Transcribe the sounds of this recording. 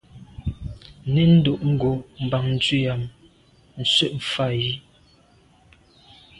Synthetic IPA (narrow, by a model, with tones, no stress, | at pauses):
ne˨˦n̩˦do˨ʔŋ̩˦ɡo˨m̩˨ba˨ŋn̩˨t͡swi˦˨ja˨m | n̩˨sɥə˦ʔɱ̩˨fa˦˨ji˦